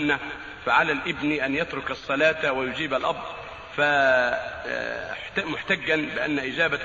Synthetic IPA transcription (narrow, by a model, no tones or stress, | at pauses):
na | faʕalaːlʔɪbniʔanjat̪ɾʊkɑsˤːɑlɑːt̪awajʊd͡ʒiːbalʔɑ̰b̚d̪ˤ | fa | mʊħt̪aɡːanbɪʔa̰nːaʔɪd͡ʒaːba